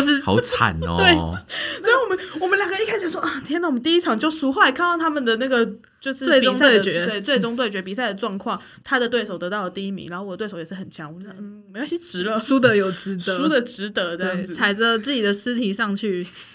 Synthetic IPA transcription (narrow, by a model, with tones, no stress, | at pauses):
ʂɻ̩̰˥˧˨ʊt͡sʰa̰˨˩n̰˦t̪we˥˩ɪ˥˧˥ | wɔ˨˩mə˦nwɔ˨˩mə˦ljɑ˨˩ŋɡə˦i˥˩kʰa˥sʂ̩i˨˩ʂwɔ˥ʔɐ˥˩i˨˥n˥˩wɔ˨m˧˦t̪i˥˧i˥ɑ˨˩ŋt͡ɕjo˥˩ʊsu˧˥xo˧˩la˧˥ɪkʰa˥˧nt̪ɑ˥˩t̪ʰa˥mə˨nd̪ə˩na˥˩ɡə˩ | t͡ɕjo˥˧ʊʂɻ̩˥we˥˩ʈ͡ʂʊ˨˥ŋtawe˥˩ɪət͡ɕɛ˨˦we˥˩ɪt͡swe˥˩ɪʈ͡ʂʊ˥ŋt̪we˥˩ɪt͡ɕɥɛ˧˥pi˨˩s̬a˥˩ɪd̪ə˩ʈ͡ʂwɑ˥˧ŋkʰwɑ˥˩ŋ | t̪ʰa˥d̪ə˨t̪we˥˩ɪʂo˨˩ʊt̪ɤ˧˥t̪ɑ˥ʊlə˩t̪i˥˧i˥mḭ˧˦n˧˨˧xo˥˩wɔ˨˩ə˦we˥˩o˧˥ʊjɛ˨˩ʂ̩˥˩xə˨˩nt͡ɕʰjɑ˧˦ŋwɔ˧˩˥n̩˥˩˨m˧˥˩ɕi˥ʈ͡ʂɻ̩˧˥lə˧su˥t̪ə˧˦jo˨˩ʊʈ͡ʂɻ̩˧˥t̪ə˧˦u˥d̪ə˧˦ʈ͡ʂɻ̩˧˥t̪ə˧˥ə˥˧ɑ˥˩ɪd͡zt͡sʰa˧˥ɪd͡zə˧t͡sɹ̩˥˩t͡ɕi˨˩d̪ə˩ʂ̩˥t̪ʰi˨˥ʂɑ˥˧ŋt͡ɕʰy˥˩